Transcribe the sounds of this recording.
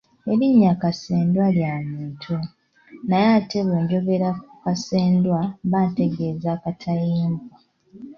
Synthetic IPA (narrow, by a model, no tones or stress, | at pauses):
e̞ɾiɲːakase̞ːndwaljamiːtʰo | najate̞βeːɲɟo̞ɡe̞ɾakukase̞ːndwaβaːnte̞ɡe̞ːzaːkatʰajiːmbwa